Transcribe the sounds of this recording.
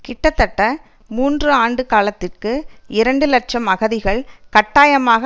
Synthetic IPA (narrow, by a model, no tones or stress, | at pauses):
kɪʈːɐt̪ːɐʈːɐ | muːndrɯaːɳɖɯkaːlɐt̪ːɪrkɯʔɪɾɐɳɖɯlɐʈ̚t͡ʃɐmɐɣɐðɪɣɐɭkɐʈːaːjɐmaːɣɐ